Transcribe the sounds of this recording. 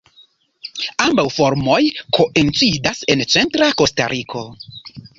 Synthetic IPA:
ambawfo̞ɾmo̞jkʰo̞ʔent͡sidase̞nt͡se̞ntɾako̞sta̰ɾʔikʰo̞

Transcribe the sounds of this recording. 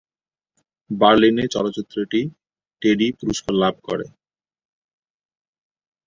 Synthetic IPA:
baɾlinet͡ɕɔ̰lot͡ɕit̪ːɾoʈi | ʈeɖipuɾuʃkʰoɾlab̚ʱko̰ɾḛ

